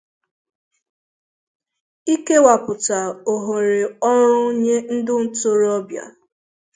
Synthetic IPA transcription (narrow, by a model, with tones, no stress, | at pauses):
i˦ke˦wa˨pʊ˨ta˨o˨ɦo˨ɾe˨ɔ˦ɾʊ˦ɲe˦n̩˦dʊ˦n̩˦to˦ɾɔ˦bja̰˨